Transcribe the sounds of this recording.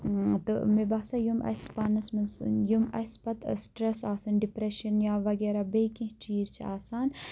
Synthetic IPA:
t̪ɨ̰mebaːsajumɐ̰spanɐsmɐnsjumɐ̰spɐt̪sʈɾesaːsɐnɖipɾeʃɐnjaːʋɐɡeːɾabeːkĩɦt͡ʃiːzt͡ʃʰiaːsaːn

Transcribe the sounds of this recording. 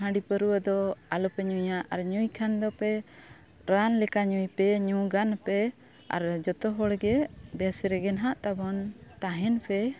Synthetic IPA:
ɦə̃ɖipəɾuwəd̪ɔalɔpɛɲujaʔaɾɲujkʰand̪ɔpɛ | ɾanlɛkaɲujpɛɲuɡanpɛ | a̰ɾd͡ʒɔt̪ɔɦɔɽɡɛbɛsɾɛɡɛnɦaʔt̪abɔnt̪ãɦɛnpɛ

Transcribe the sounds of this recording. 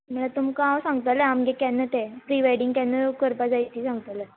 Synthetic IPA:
m̤əɭat̪umkãwsãŋɡt̪ələamɡekanːət̪epɾiʋajɽiŋɡkjanːəkəɾpad͡zajt̪iːsãŋɡt̪alə

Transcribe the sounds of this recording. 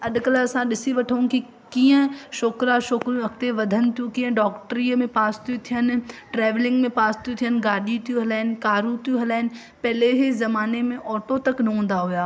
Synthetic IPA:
ɐɗkɐlɐsãɗɪsiʋɐʈʰəũki | kiːə̃ʃoːkɾaʃoːkɾjũɐkt̪eʋɐd̪ʱənɪ̆t̪jũkĩːə̃ɖɔːkʈɾiːəmẽpaːst̪ʰijũt̪ʰijənɪ̆ʈɾɛːʋlɪ̃ŋɡmẽpaːst̪ʰijũt̪ʰijənɪ̆ɡaːɗit̪ʰijũɦɐlaːɦɪnɪ̆kaːɾũt̪ʰijũɦɐlaːɪnɪ̆ | pɛɦleɦɪzɐmaːnemẽʔɔːʈot̪ɐknɐɦũːnd̪aɦujaː

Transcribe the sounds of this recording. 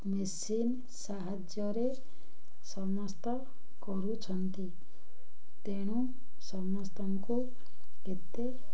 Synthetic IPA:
mis | in | saɦəd͡ʒjɔɾe | səməst̪ə | kɔɾut͡ʃʰənt̪i | t̪eɽ̃ũ | səməst̪əmko | ket̪ːe

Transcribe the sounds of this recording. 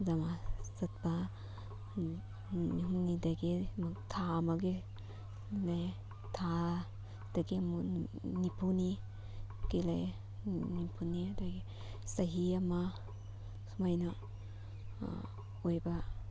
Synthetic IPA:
zamasat̚pa | unidaɡimatʰamaɡi | laj | tʰa | d̥aɡimunipʰuni | kelaj | nipʰunidajɡi | saɦiama | smajna | ojba

